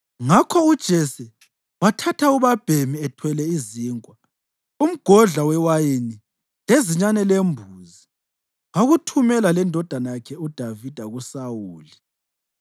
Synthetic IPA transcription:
ŋakʰɔud̥ʒ̥ʱɛsɛ | watʰatʰauβab̥ʱemiɛtʰwɛlɛiziːŋʼwa | um̩ɡ̥ʱɔɮawɛwajini | leziɲanɛlembʱuːzi | ŋaɣutʰumɛlalɛndʱɔd̥ʱanajakʰɛud̥ʱavid̥ʱaɣusawuːli

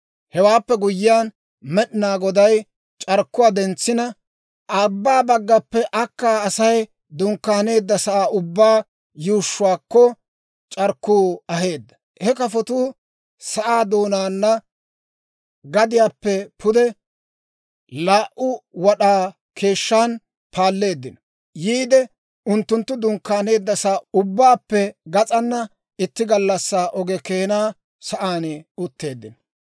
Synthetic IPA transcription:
hɛwaːpːɛɡʊjɪjaːn | mɛɗɪnaːɡɔd̪ɐj | t͡ʃʼɐɾkːʊwaːd̪ɛnt͡sːɪnɐ | ʔɐbːaːbɐɡːɐpːɛʔɐkːaːɐsɐj | d̪ʊŋkːaːne̞ːd̪ːɐsɐʔaːʔʊbːaː | juːʃːʊwaːkːɔ | t͡ʃʼɐɾkːuːɐɦe̞ːd̪ːɐ | hɛkɐfɔt̪ʊː | sɐʔaːd̪o̞ːnaːnːɐ | ɡɐd̪ɪjaːpːɛpʰʊd̪ɛ | laːʔʊwɐɗaː | kʰe̞ːʃːaːn | pʰaːlːe̞ːd̪ːɪnɔ | jiːd̪ɛ | ʊnt̪ːʊnt̪ːʊd̪ʊŋkːaːne̞ːd̪ːɐsaːʊbːaːpːɛɡɐt͡sʼɐnːɐ | ɪt̪ːɪɡɐlːɐsːaːʔɔɡɛkeːnaː | sɐʔaːnɛʊt̪ːe̞ːd̪ːɪnɔ

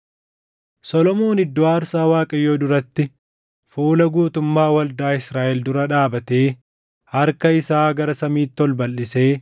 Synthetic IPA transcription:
sɔlɔmoːnɪd̪ːoːaːɾsaːwaːkʼɐjːoːd̪ʊɾɐt̪ːɪ | fuːlɐɡuːt̪ʊmːaːwɐld̪aːɪsɾaːʔɛld̪ʊɾɐᶑaːbɐt̪e̞ː | hɐɾkɐɪsaːɡɐɾɐsɐmiːt̪ːɔlbɐlːɪse̞ː

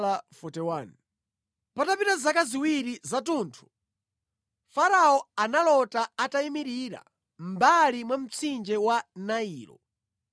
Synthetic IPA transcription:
afɔtɛwaːni | patapitazakaziwiɾizatuːntʰu̥ | faɾaɔanalɔtaataimiɾiɾa̰ | m̩balimwam̩t͡sʰind͡ʒɛwanaiːlɔ̰

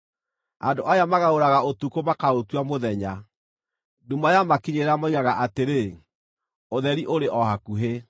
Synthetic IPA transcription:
a̰ndoʔajamaɣaoɾaɣaotukomakaotwamoðɛɲa | dumajamakiɲeɾeamaiɣaɣaʔateɾe | oðɛɾiʔoɾeʔɔhakuɦe

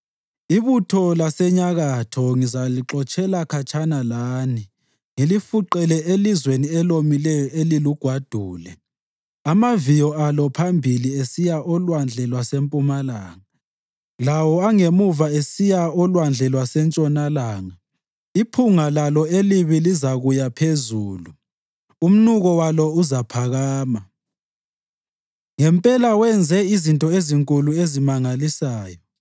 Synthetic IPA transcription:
iβutʰɔlasɛɲaɣatʰɔŋizaliǁɔt͡ʃʼɛlakʰat͡ʃʼanalaːni | ŋilifuǃɛlɛelizweniɛlomilɛjɔeliluɡ̥ʱwad̥ʱuːlɛ | amavijɔalɔpʰambʱiliesijaʔɔlwand͡ɮʱɛlwasempʼumalaːŋa | lawɔaŋemuvaesijaɔlwand͡ɮʱɛlwasɛnt͡ʃʼɔnalaːŋa | ipʰuŋalalɔeliβilizaɣujapʰezuːlu | um̩nuɣɔwalɔuzapʰaɣaːma | ŋɛmpʼɛlawɛnd͡zʱɛizintʼɔeziŋkʼuluezimaŋalisaːjɔ

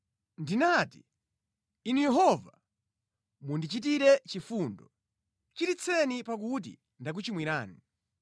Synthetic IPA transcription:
ndinati | inujɛɦɔva | mundit͡ʃit̬iɾɛt͡ʃifundɔ | t͡ʃiɾit͡sʰɛnipak̬ut̬ḭ | ndak̬ut͡ʃimwiɾaːni

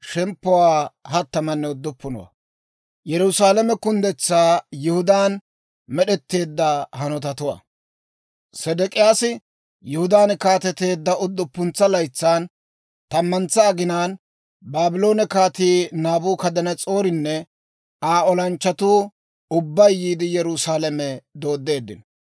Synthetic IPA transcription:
ʃɛmpːʊwaːhɐt̪ːɐmɐnːɛʊd̪ːɔpːʊnɔ̰wɐ̰ | jɛɾʊsaːlɐmɛkʊnd̪ɛt͡sːaːjɪhʊd̪aːn | mɛɗɛt̪ːe̞ːd̪ːɐhɐnɔt̪ɐt̪ʊwa̰ | sɛd̪ɛkʼɪjaːsɪ | jʊhʊd̪aːnkaːt̪ɛt̪e̞ːd̪ːɐʔʊd̪ːɔpːʊnt͡sːɐlɐjt͡sːaːn | t̪ɐmːɐnt͡saːɡɪnaːn | baːbɪlo̞ːnɛkaːt̪iːnaːbuːkɐd̪ɐnɐt͡sʼo̞ːɾɪnːɛ | aːɔlɐnt͡ʃːɐt̪uː | ʊbːɐjːiːd̪ɪjɛɾʊsaːlɐmɛd̪o̞ːd̪ːe̞ːd̪ːɪ̰n

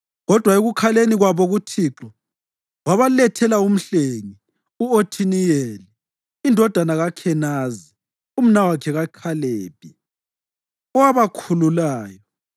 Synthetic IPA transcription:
ɣɔd̥ʱwaeɣukʰaleniɣwaβɔɣutʰiːǁɔ | waβalɛtʰɛlaum̩ɬeŋi | uotʰinijeliː | ndʱɔd̥ʱanaɣakʰɛnaːzi | um̩nawakʰɛɣakʰaleːb̥̚ʱʼi | ɔwaβakʰululaːjɔ

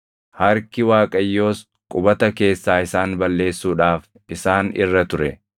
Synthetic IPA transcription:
hɐɾkɪwaːkʼɐjːo̞ːs | kʼʊbɐt̪ɐke̞ːsːaːɪsaːnbɐlːe̞ːsːuːᶑaːf | ɪsaːnɪ̰rːɐt̪ʊɾɛ

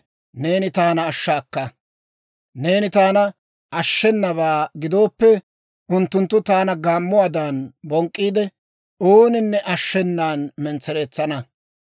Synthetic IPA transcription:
ne̞ːnɪt̪aːnɐːʃːaːkːɐ | ne̞ːnɪt̪aːnɐ | ʔɐʃːɛnːɐβaːɡɪd̪o̞ːpːɛ | ʊnt̪ːʊnt̪ːʊt̪aːnɐɡaːmːʊaːd̪aːnbɔŋkʼːiːd̪ɛ | oːnɪnːɛʔɐʃːɛnːaːnmɛnt͡sːɛɾe̞ːt͡sːɐnɐ

